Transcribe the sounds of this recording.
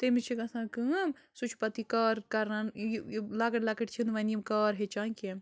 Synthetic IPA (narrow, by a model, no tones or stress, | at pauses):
t̪emit͡ʃʰikɐsãːkɨmsut͡ʃʰpɐt̪ikaːɾkɐɾnanlaːkɐʈlaːkɐʈt͡ʃʰinʋɐniimkaːɾɦet͡ʃãːkem